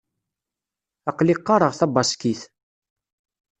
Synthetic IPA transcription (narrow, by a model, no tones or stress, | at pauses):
ɑqliqːɑɾˤəʁθɑbɑskiθ